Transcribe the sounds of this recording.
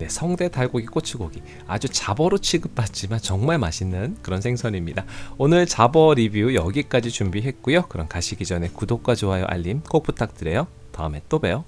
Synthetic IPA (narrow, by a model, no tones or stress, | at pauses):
ne̞sʰʌŋde̞taɭɡoɡik͈ot͡ɕʰiɡoɡi | ad͡ʑut͡ɕabʌɾot͡ɕʰiɡɯp̚p͈at̚t͡ɕ͈imant͡ɕʌŋmaɭmaɕʰinɯnkɯɾʌnsʰe̞ŋsʰʌɲimɲidaonɯɭt͡ɕabʌɾibiujʌɡik͈ad͡ʑit͡ɕumbiɦe̞t̚k͈ujokɯɾʌnkaɕʰiɡid͡ʑʌne̞kudok̚k͈wad͡ʑoɦajo̰ʔa̰ʎːimk͈ok̚p͈utʰak̚t͈ɯɾe̞jo | ta̰ɯme̞t͈obe̞jo